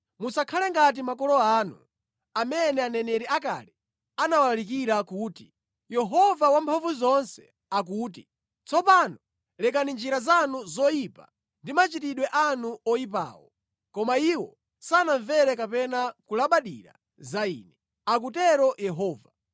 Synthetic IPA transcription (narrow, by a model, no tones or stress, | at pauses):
musakʰalɛŋɡat̬imakɔlɔaːnṵ | amɛnɛanɛnɛɾiaka̰li | anawalalik̬iɾakuːti̥ | jɛɦɔvawampʰavuzɔnsɛ̥ | ak̬uːti | t͡sʰɔpanɔ | lɛk̬anind͡ʒiɾazanuzɔipa̰ | ndimat͡ʃitiɗwɛʔanuɔipa̰ːwɔ | kɔmaiwɔ | sanaɱvɛɾɛkapɛnakulaɓaɗiɾa̰ | zaḭːnɛ | ak̬utɛɾɔjɛɦɔːva